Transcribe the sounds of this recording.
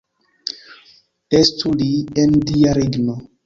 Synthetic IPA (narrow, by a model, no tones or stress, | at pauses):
estuliendiaɾiɡno